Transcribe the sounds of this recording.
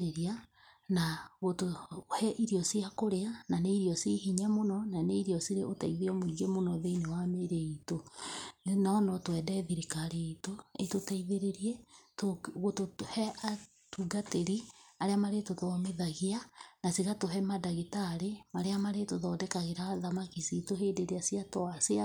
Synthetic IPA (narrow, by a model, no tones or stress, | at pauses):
ɾeɾia | naɣotohɛʔiɾiɔsiakoɾeananeiɾiɔsiɦiɲɛmonɔnaneiɾiɔsiɾeʔotaiðiɔmoiɡemonɔðeinewameɾeito | nanɔtwɛːdɛðiɾikaɾeitoetotaiðeɾeɾiɛtoɣotothɛʔa | tuɡateɾiaɾeamaɾetoðɔmeðaɣianasiɣatoɦɛmadaɣitaɾemaɾeamaɾetoðɔːdɛkaɣeɾaðamakisitoɦeːdeɾeasiatɔasea